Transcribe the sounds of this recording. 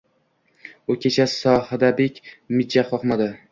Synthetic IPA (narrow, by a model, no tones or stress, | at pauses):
ʊkʲʰe̞t͡ʃʰasɒhad̪abekʲmɪd͡ʒaχɒχmad̪ɪ